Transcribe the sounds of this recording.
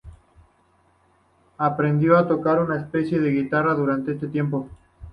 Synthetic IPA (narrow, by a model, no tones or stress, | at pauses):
apɾe̞nd̪jo̞at̪o̞kaɾunaespe̞sje̞ðe̞ɣit̪araðuɾant̪ees̬t̪e̞t̪je̞mpo̞